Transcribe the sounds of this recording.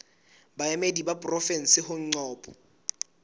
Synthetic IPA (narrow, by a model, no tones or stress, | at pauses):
baemedibapʼrɔfɛn̩sɪhʊŋ̩ŋ͡ǀɔːpʼɔ